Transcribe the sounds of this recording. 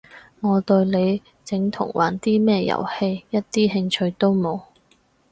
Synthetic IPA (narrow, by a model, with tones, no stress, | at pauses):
ŋɔː˨˧t̪ɵ˧ɥle˨˧j | t͡sɪ˨˥ŋt̪ʰʊ̰˨˩ŋwa̰ː˨˩nt̪iː˥mɛː˥jɐ̰˨˩whe˧jjɐ˥t̚t̪iː˥ɦɪ˧ŋt͡ʃʰɵ˧ɥt̪o˥wmo˨˧w